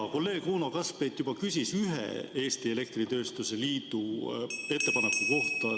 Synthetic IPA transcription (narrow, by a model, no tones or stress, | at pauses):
ko̞lːe̞ːɡ̥uːnɑkɑspejt̪ːˑjubɑkysʲisyɦḛe̞ːst̪ie̞le̞k̚t̪rit̪ø̞ːst̪use̞liːt̪ue̞t̪ːe̞pɑnekːuko̞ht̪ɑ